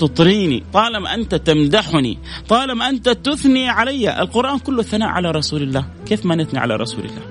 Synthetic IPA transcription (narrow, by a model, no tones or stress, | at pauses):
t̪ɨt̪ˤɾiːnḭt̪ˤɑːlɪmʔant̪at̪amd̪aħnḭ | t̪ˤɑːlɪmʔant̪at̪ʊθniʕalajːaʔɪ̰lqʊɾʔaːnkʊlːʊθːana̰ːʔʕa̰laɾˤɑsuːlɪlːaːh | keːfmanɪθniʕa̰la̰ɾˤɑ̰sṵːlɪ̰lːa̰ːh